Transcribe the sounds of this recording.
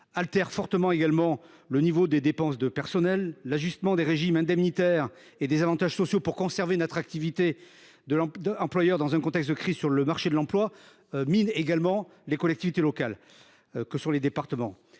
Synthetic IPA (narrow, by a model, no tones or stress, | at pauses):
alt̪ɛʁfɔʁt̪əmɑ̃eɡalmɑ̃ | lənivod̪ed̪epɑ̃s̬d̪əpɛʁsɔnɛlːaʒyst̪əmɑ̃d̪eʁeʒimɛ̃d̪ɛmnit̪ɛʁ | ed̪ezavɑ̃t̪aʒsɔsjopuʁkɔ̃sɛʁvenat̪χak̚t̪ivit̪e | d̪əlɑ̃d̪ɑ̃plwajœʁd̪ɑ̃zɛ̃kɔ̃t̪ɛkst̪̬̚d̪əkχizsyʁləmaʁʃed̪əlɑ̃plwa | mineɡalmɑ̃ | lekɔlɛk̚t̪ivit̪elɔkal | kəsɔ̃led̪epaʁt̪əmɑ̃